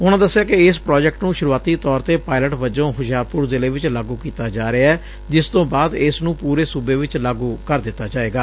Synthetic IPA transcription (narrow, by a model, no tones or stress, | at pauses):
ʊnãːd̪əsːɪjaːkɪɪspɾɔːd͡ʒɛk̚ʈnũːʃʊɾuaːt̪iːt̪ɔːɾt̪eːpaːɪləʈʋəd͡ʒõːɦʊʃaːɾpʊɾzɪleːʋɪt͡ʃlaːɡuːkiːt̪aːd͡ʒaːɾɪaːɛː | d͡ʒɪst̪õːbaːd̪ɪsnũːpuːɾeːsʊbeːʋɪt͡ʃlaːɡuːkəɾd̪ɪt̪ːaːd͡ʒaːeːɡaː